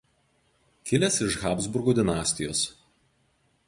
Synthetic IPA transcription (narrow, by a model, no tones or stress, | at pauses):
kʲɪlʲesɪʃɣɑːbzbʊɾɡoːd̪ʲɪnɑːsʲt̪ʲɪjoːs